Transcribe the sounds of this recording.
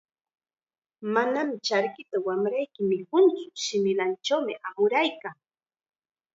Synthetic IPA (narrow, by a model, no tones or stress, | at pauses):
manamɪt͡ʃaɾkɪt̪awamɾajkɪmɪkʊnt͡sʊ̥ʃɪmɪlant͡ʃawmɪʔamʊɾajkaŋ